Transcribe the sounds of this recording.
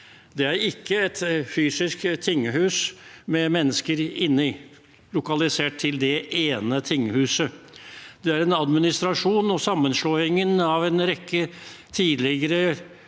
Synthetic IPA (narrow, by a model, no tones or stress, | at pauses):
d̪ɛæɾɪkːəɛt̪fyːsɪskt̪ʰɪŋːəhʉːsmɛmɛnːəskəɾɪnːɪ | lʊkɑlɪseːʈ̚t̪ʰːɪld̪ɛʔeːnət̪ʰɪŋːəhʉːsə | d̪̥ɛæɾɛnɑd̪mɪnɪst̪ɾɑʂuːnɔsɑmːənʂloːɪŋənɑʋɛnɾɛkːət̪ʰiːd̪lɪɡəɾə